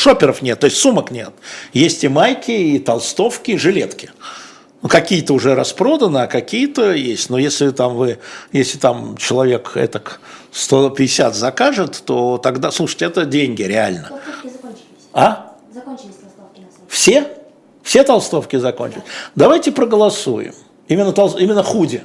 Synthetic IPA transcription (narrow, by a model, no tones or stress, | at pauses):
ʂopʲɪɾəfnʲet̪ːo̞ɪsʲtʲsuməknʲe̞t̪jesʲtʲɪmajkʲɪit̪ɐlˠst̪o̞fkʲɪʐɨlʲe̞t̪kʲɪ̥ | ukɐkʲijət̪əʊʐɛɾɐspɾo̞d̪ənəɐkɐkʲijət̪əjesʲtʲnojesʲlʲɪt̪amvɨjesʲlʲɪt̪amt͡ɕɪlˠɐvʲe̞kɛ̰t̪əkst̪o̞pʲɪɪsʲat̪zɐkaʐɨt̪ːo̞t̪ɐɡd̪aslˠuʂə̥ɨ̥tʲɪɛt̪ədʲenʲɡʲɪɾʲɪalʲnə | a | fsʲe | fsʲe̞t̪ɐlˠst̪o̞fkʲɪzɐko̞̰nʲt͡ɕɪlʲɪsʲd̪ɐvajtʲɪpɾəɡəlˠɐsujɪ̰m | imʲɪnːət̪ɐlˠimʲɪnːəxudʲɪ